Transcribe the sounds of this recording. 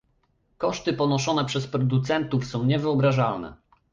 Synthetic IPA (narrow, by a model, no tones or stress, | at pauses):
kɔʂt̪ɘpɔnɔʂɔnɛpʂɛspɾɔd̪ut̪sɛnt̪ufsɔ̃w̃ɲɛvɘɔbɾaʐalnɛ̰